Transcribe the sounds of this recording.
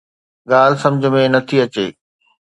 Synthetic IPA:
ɠaːl̤ɪsɐ̃md͡ʑʱə̆mẽnɐt̪ʰiɐt͡ɕeː

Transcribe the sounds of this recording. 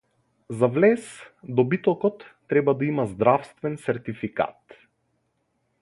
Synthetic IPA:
zavlɛsd̪ɔbit̪ɔkɔt̪ːɾɛbad̪aimazd̪ɾafst̪vɛnsɛɾt̪ifika̰t̪

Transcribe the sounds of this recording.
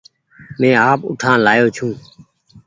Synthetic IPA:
mẽːaːpʊ̰ʈʰãːlaːjoːt͡ʃʰũː

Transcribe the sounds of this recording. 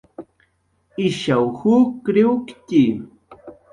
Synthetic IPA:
ɪʃawhʊkɾɪʊkt̪i

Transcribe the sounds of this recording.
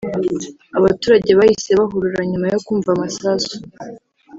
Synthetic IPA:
aβatuːɾaɟe̞βahise̞βaɦuɾuɾaɲumajo̞kuːɱvamasasu̥

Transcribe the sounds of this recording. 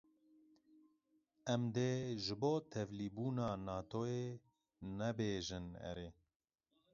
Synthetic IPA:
ɛmd̪eːʒɨboːt̪ʰɛvliːbuːnɑːnɑːt̪ʰoːeː | nɛbeːʒɨnɛ̰ɾeː

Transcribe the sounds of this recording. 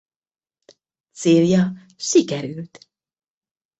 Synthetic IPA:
t̪seːljɒ | ʃikɛɾylt̪

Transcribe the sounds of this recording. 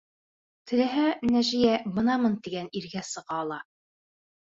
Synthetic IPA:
t̪ʰɘ̆læɦænæʒijæbɤ̆nɑmɤnt̪iɡæniɾɡæsɤ̆ʁɑːlˠɑ

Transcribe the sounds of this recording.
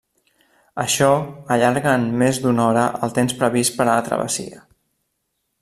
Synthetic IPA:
əʃɔəʎaɾɣəːnmezd̪unɔɾəʔəlˠt̪emspɾəβispəɾəət̪ɾə̰βə̰sḭə

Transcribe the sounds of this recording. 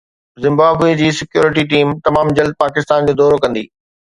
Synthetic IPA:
zɪ̃mbaːbʋed͡ʑiːsɪkjoːɾɪʈ̬iʈiːmt̪ɐmaːmd͡ʑɐld̪̚paːkɪst̪aːnd͡ʑoːd̪ɔːɾokɐ̃nd̪ḭː

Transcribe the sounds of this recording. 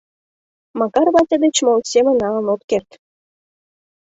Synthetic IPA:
mɑkɑɾβɑt̪ʲəd̪et͡ɕmolt̪semə̆nɑlənot̪kert̪

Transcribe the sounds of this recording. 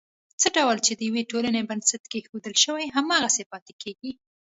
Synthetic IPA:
t͡səɖawlt͡ʃed̪əjaweʈolanebənsat̪kexod̪əlʃəwajɦamɑɣasepɑt̪ekʰeɡi

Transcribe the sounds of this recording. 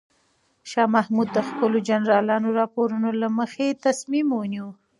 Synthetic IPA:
ʃɑmahmud̪ːəxpəlod͡ʒanɾɑlɑnoɾɑpoɾunolaməxet̪asmimwəniwu

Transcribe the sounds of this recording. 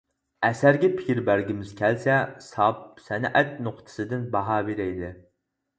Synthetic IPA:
ɛsæɾɡʲɛpʰɪ̥kʲiɾbæɾɡʲimɪz̥kʲʰælsɛsɑpsɛnʔɛt̪noqt̪ʰɨ̥sɨd̪ɨnbɑɦɑːbeɾɛjd̪ɪ

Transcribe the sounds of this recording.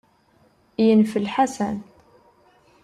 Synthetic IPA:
jənfəlħasæn

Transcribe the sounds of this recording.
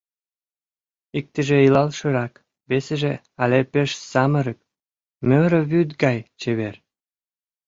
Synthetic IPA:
ik̚t̪ə̆ʒeilɑlʃə̆ɾɑk | βeseʒe | ɑlepeʃsɑmə̆ɾə̆k̚ | møɾə̆βyd̪ɡɑjt͡ɕeβer

